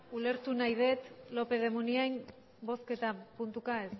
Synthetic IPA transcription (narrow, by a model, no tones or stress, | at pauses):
ule̞ɾt̪unajð̞e̞t̪lo̞pe̞ð̞e̞muniajn | bo̞ske̞t̪apunt̪ukaes